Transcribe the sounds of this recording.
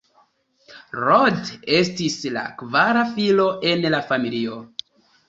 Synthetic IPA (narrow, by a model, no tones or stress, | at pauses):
ɾode̞stisla̰kvaɾafilo̞ʔe̞nlafamilio̞